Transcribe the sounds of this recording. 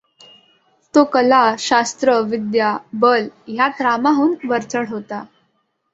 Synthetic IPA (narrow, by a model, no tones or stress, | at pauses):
t̪okəlaɕast̪ɾəʋid̪jabəlɦjat̪ɾamaɦuːnʋəɾt͡səɽɦot̪a